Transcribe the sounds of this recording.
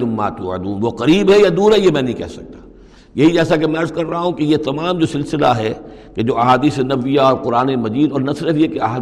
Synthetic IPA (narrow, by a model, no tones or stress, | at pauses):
ʊmːa̰ːt̪ṵɐ̰d̪uːnʋoqɐɾiːbɦɛjad̪uːɾɦɛjemɛ̃ːnɐɦĩkɛ̰ɦsɐk̚t̪ḁː | jɐɦid͡ʒɛːsak̬emɛ̃ɐɾzkɐɾːaɦaɦũkejet̪ɐmaːmd͡ʒoːsɪlsɪlaɦɛked͡ʒoːɐɦaːd̪iːsenɐʋijaɔːɾqʊɾaːnemɐd͡ʒiːd̪ɔːɾnɐsɪɾəfiɛkeɐɦaː